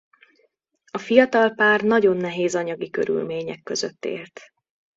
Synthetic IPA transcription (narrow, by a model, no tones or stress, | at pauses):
ɒfijɒt̪ɒlpaːrnɒɟo̞nːɛɦeːzɒɲɒɡikø̰ɾy̰lmeːɲɛkːø̞zøt̪ːḛːlt̪